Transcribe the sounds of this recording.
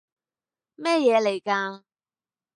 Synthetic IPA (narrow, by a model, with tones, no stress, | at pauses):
mɛː˥jɛː˨˧le˨˩jkaː˧